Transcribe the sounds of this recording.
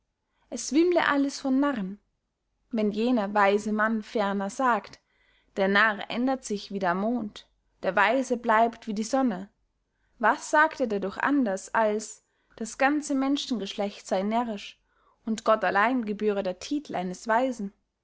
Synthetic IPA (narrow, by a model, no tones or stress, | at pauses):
ʔɛsv̥ɪmlə̰ʔaləsfɔnːaʁən | vɛnjeːnɐvaɪzəmanfɛɐnɐzaːkt | d̥eːɐnaʁʔɛ̰ndɐtz̥ɪçv̥iːdeːɐmoːnt | d̥eːɐvaɪzəblaɪptv̥iːdiːzɔnə | vasz̥aːkteːɐdadʊχʔa̰ndɐsʔals | d̥asɡ̥ant͡səmɛnʃn̩ɡəʃlɛçtz̥aɪnɛɐʁɪʃ | ʔʊntɡ̥ɔtalaɪnɡəbyːʁ̞ədeːɐtʰiːtʰl̩ʔaɪnəsv̥aɪzn̩